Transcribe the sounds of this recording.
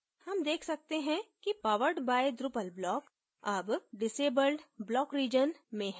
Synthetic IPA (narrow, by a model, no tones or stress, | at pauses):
hɐmd̪eːkʰsɐk̚t̪eɦɛ̃kipaːʋəɾɖbaːɪd̪ɾʊpəlblɔːk | ɐbɖɪseːbəlɖblɔːkɾiːd͡ʒənmẽɦ